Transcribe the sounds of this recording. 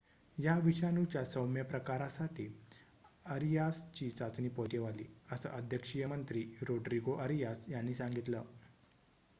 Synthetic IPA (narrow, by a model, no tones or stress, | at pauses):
jaʋiɕanut͡ɕjasəwmjəpɾəkaɾasaʈʰiː | əɾijast͡ɕiːsad͡zniːpoʈjeʋalḭːəsə̰ʔəd̪ʱjəkʂijəmənt̪ɾiːɾoɖɾiɡoʔəɾijasjanːiːsãŋɡit̪ləː